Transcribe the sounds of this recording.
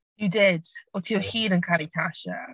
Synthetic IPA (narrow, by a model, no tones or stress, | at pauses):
jədɪd̥ətʰəjəhiːɾə̃nkʰaɾitʰaʃə̰